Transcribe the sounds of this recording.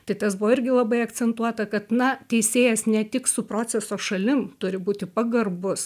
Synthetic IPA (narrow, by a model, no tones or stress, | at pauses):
t̪ɐɪt̪ɐsbʊʋɔɪɾʲɡʲɪlˠɐbɐɪɐk̪t͡s̪ʲɛnt̪uɔt̪ɐkɐt̪nɐt̪ʲɛɪsʲeːjɛsnʲɛt̪ʲɪksʊpɾoːt͡ssʲɛsoːʃɐlʲɪmt̪ʊɾʲɪbuːt̪ʲɪpɐɡɐrbʊs